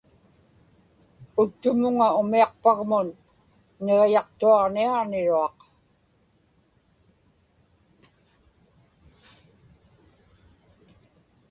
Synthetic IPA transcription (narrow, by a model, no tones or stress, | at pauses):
ʊt̪ːʊmʊŋaʊmiɑqpaɣmʊnː | eʁjɑqt̪uɑʁniaɑʁnɪɻuɑq